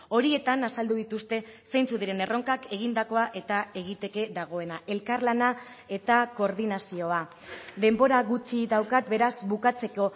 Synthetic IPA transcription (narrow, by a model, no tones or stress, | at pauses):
o̞ɾie̞t̪anasald̪uðit̪ust̪e̞sejnt͡suðiɾe̞ne̞ro̞ŋkake̞ɣ̞ind̪ako̞aʔe̞t̪ae̞ɣit̪e̞ke̞ðaɣ̞o̞e̞naʔe̞lkaɾlana | e̞t̪ako̞ɾð̞inasio̞a | d̪e̞mbo̞ɾaɣut͡siðawkat̪̚be̞ɾazbukat͡se̞ko̞